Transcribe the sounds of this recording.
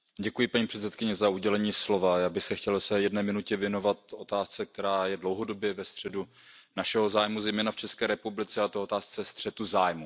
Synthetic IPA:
ɟɛkujɪpaɲiːpr̝̥ɛt̪t͡sɛt̪kɪɲɛzauɟɛlɛɲiːslo̞vajaːbɪxsɛxcɛlsɛjɛdnɛːmɪnucɛvjɛno̞vat̪̚o̞t̪aːst͡sɛk̚t̪ɛɾaːjɛdlowɦo̞do̞bjɛvɛst̪r̥ɛdu | naʃɛɦo̞zaːjmuzɛjmɛːnaft͡ʃɛskɛːɾɛpublɪt͡sɛat̪oot̪aːst͡sɛst̪r̝̥ɛt̪uzaːjmu

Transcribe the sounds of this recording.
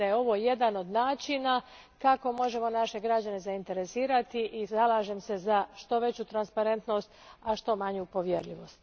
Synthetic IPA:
ajeo̞ʋo̞je̞d̪ano̞d̪naːt͡ʃina | kako̞mo̞ʒe̞mo̞naʃe̞ɡɾad͡ʑane̞zaint̪e̞ɾe̞siːɾat̪iʔizalaːʒemse̞zaʃt̪o̞ʋe̞t͡ɕut̪ɾanspaɾe̞nt̪no̞st̪aʃt̪o̞maɲupo̞ʋjeɾliʋo̞st̪

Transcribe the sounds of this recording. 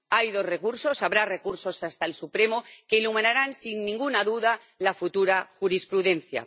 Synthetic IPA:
ajðo̞sre̞kuɾso̞saβɾare̞kuɾso̞sast̪aelsupɾe̞moke̞ilumẽnaɾansinːĩŋɡunaðuða | lafut̪uɾaxuɾispɾuðẽ̞nθja̰

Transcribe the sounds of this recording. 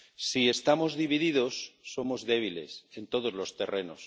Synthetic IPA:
sie̞st̪amo̞zðiβiðiðo̞sːo̞mo̞zðe̞β̞ile̞̰se̞nt̪o̞ðo̞zlo̞st̪e̞re̞no̞̰s

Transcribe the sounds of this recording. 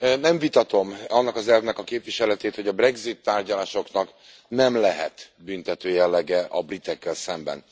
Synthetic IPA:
nɛɱvit̪ɒt̪o̞mɒnːɒkɒzɛlvnɛkɒkeːpviʃɛlɛt̪eːt̪ho̞ɟɒbrɛɡzit̪ːaːrɟɒlaːʃo̞knɒk | nɛmlɛɦɛt̪ | bynt̪ɛt̪øːjɛlːɛɡɛʔɒbrit̪ɛkːɛlsɛmbɛ̰n

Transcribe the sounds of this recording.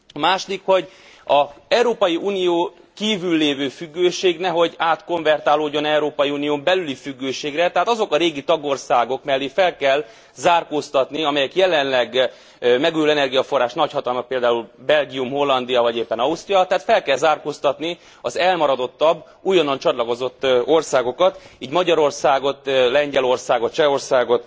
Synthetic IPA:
ɒmaːʃod̪ikho̞ɟ | ɒɛuɾoːpɒjiʔuːnijoː | kiːvylːeːvøːfyɡːøːʃeːɡnɛɦo̞ɟaːt̪ko̞ɱvɛrt̪aːloːɟːo̞nɛuɾoːpɒjiuːnioːmbɛlylifyɡːøːʃeːɡrɛt̪ɛɦaːt̪ɒzo̞kɒɾeːɡit̪ɒɡo̞rsaːɡo̞kmɛlːifɛlkɛl | zaːrkoːst̪ɒt̪niɒmɛjɛkjɛlɛnlɛɡ | mɛɡujulɛnɛrɡijɒfo̞rːaːʃtnɒchɒt̪ɒlmɒk̚peːld̪aːulbɛlɡijumho̞lːɒnd̪iɒvɒɟeːpːɛnɒust̪rijɒt̪ɛɦat̪fɛlkɛlzaːrkoːst̪ɒt̪ni | ɒzɛlmɒɾɒd̪o̞t̪ːɒbː | ujɒnːont͡ʃɒt̪lɒko̞zo̞t̪ːo̞rsaːɡo̞kɒt̪iːɟmɒɟɒɾo̞rsaːɡo̞t̪lɛɲɟɛlo̞rsaːɡot̪̚t͡ʃɛo̞rsaːɡo̞t̪

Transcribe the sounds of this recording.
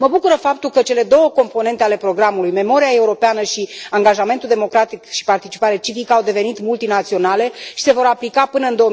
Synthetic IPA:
məbukuɾəfap̚t̪ulkət͡ʃe̞le̞d̪o̞wəko̞mpo̞ne̞nt̪eale̞pɾo̞ɡɾamulujme̞mo̞ɾiae̞uɾo̞peanəʃiaŋɡaʒame̞nt̪uld̪emo̞kɾat̪ikʃi̥part̪it͡ʃi̥paɾe̞t͡ʃivikəawd̪e̞ve̞nit̪mult̪inat̪sio̞nale̞ʃi̥se̞vo̞ɾaplikapɨnəɨnd̪o̞

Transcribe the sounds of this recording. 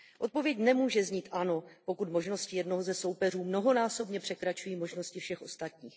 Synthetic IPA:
ʔo̞t̪̚po̞vjɛcnɛmuːʒɛzɲiːt̪ʔano̞po̞kut̪mo̞ʒno̞scɪjɛdno̞ɦozɛsowpɛr̝uːmno̞ɦo̞naːso̞bɲɛpr̥ɛkɾat͡ʃujiːmo̞ʒno̞scɪfʃɛxʔo̞st̪at̪ɲiːx

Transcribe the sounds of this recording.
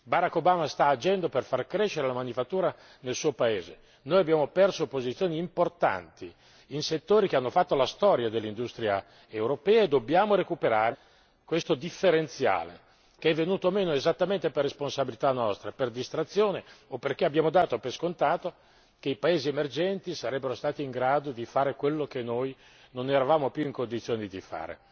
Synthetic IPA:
baɾakːobaːmast̪aːd͡ʒɛnd̪operfarkɾeʃeɾelamanifat̪ːuːɾa | nelsuːopaeːzḛ | noːjabjaːmopɛrsopozit̪sijoːniːmport̪a̰nt̪i | inset̪ːoːɾikeanːofat̪ːolast̪ɔɾjad̪elːind̪ust̪ɾia̰ | ewɾopɛːaed̪objaːmoɾekupeɾaːɾe | kwest̪od̪ifːeɾent̪sja̰ːlḛ | keɛvːenuːt̪oːmeːnoezat̪ːament̪eperːesponsabilit̪anːɔst̪ɾaperd̪ist̪ɾat̪sːjoːneopːerkeabːjaːmod̪aːt̪opeskont̪aːt̪o | k̟eipaeːziemerd͡ʒɛnt̪isaɾɛbːeɾost̪aːt̪iːŋɡɾaːd̪od̪ifaːɾekwelːokenːoj | noneɾavaːmopjuiŋkond̪it̪sːjoːnid̪ifa̰ːɾḛ

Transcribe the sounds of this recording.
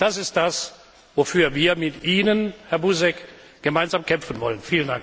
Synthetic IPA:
d̥asɪst̚d̥as | vofyːɐviːɐmɪtʔiːnənhɛɐbuzɛk | ɡ̥əmaɪnzaːmkʰɛmfən̩vɔ̰lənfiːlənda̰ŋk

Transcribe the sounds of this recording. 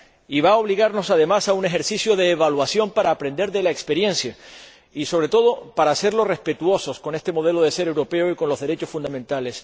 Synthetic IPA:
iβao̞βliɣaɾno̞saðe̞masaune̞xe̞ɾsisjo̞ðe̞ːβalwasjo̞mpaɾaːpɾend̪e̞ɾðe̞laekspe̞ɾjẽ̞nsja | iso̞βɾe̞t̪o̞ðo̞paɾase̞ɾlo̞re̞spe̞t̪uo̞so̞sko̞ne̞st̪e̞mo̞ð̞e̞lo̞ðe̞se̞ɾe̞wɾope̞oiko̞nlo̞zðe̞ɾe̞t͡ʃo̞sfund̪amẽnt̪ale̞s

